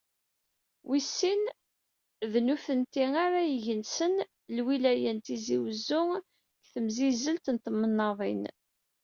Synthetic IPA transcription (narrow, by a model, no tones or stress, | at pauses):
wisːin | ðnuθənt̪iŋaɾajəʝənsən | lwilæjənt̪iziwəzːʊŋ | kθəmzizəlt̪nt̪mːənːɑðˤin